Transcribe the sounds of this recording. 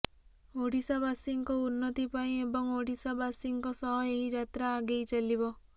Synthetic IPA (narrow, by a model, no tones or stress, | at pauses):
oɽisabasiŋkɔunːɔt̪ipaĩebɔŋoɽisabasiŋkɔsɔɦɔeɦid͡ʒat̪ɾaːɡejt͡ʃalibɔ